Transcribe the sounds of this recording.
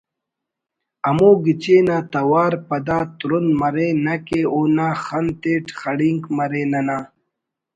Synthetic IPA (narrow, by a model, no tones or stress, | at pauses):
ɐmoːɡit͡ɕeːnaːt̪ɐwaːɾpɐd̪aːt̪ɾunmɐɾeːnɐkeːoːnaːxɐnt̪eːʈxɐɽiŋkmɐɾeːnɐnaː